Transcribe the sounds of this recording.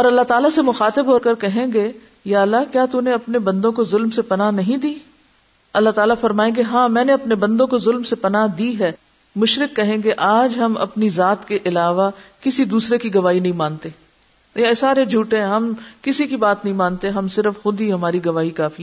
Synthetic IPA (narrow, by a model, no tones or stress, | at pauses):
ɔːɾɐlːat̪aːlasemʊxaːt̪ɪbɦoːɾkɐɾkɐɦẽːɡe | jaːɐlːakjaːt̪uneɐpnebɐ̃nd̪õkozʊlmsepɐnanɐɦĩd̪iː | ɐlːaɦt̪aːlafɐɾmaːẽɡeɦãːmɛ̃ːneɐpnebɐ̃nd̪õkozʊlmsepɐnaɦd̪iːɦɛː | mʊʃɾɪkːɐɦẽːɡeʔaːd͡ʒɦɐmɐ̰pnizaːt̪keʔɪlaːʋakɪsid̪uːsɾekiɡɐʋaːinɐɦĩmãːnt̪eː | saːɾed͡ʒʱuːʈẽɛ̃ɦɐmkɪsikibaːt̪nɐɦĩmãːnt̪eɦɐmsɪɾəfxʊd̪iɦɐmaːɾiɡɐʋaːikaːfi